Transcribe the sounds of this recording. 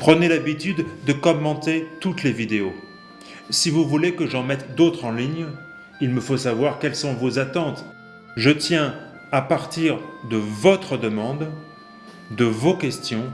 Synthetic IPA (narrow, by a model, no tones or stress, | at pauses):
pχənelabit̪yd̪ːəkɔmːɑ̃t̪et̪ut̪levid̪eo | sivuvulekəʒɑ̃mɛt̪d̪ot̪χɑ̃liɲ | ilməfosavwaʁkʲɛlsɔ̃vozat̪ɑ̃t̪ | ʒət̪jɛ̃ | apaʁt̪iʁd̪əvɔt̪χəd̪əmɑ̃d̪ | d̪əvokʲɛst̪jɔ̃